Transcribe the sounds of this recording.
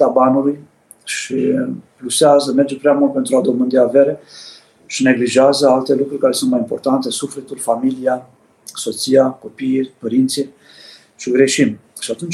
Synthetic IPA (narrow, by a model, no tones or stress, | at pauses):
t̪abanui | ʃiplusazəmɛd͡ʒɛpɾamɔnpɛnt̪ɾad̪ɔmənd̪iavɛɾɛ | ʃnɛɡliʒazəalt̪ɛlukuɾkaɾisɔnmaimpɔɾt̪ant̪ɛsufɾɛt̪ulfamilja | sɔt͡siakɔpipəɾint͡sjɛ | t͡ʃəɡɾɛʃim | ʃat̪ən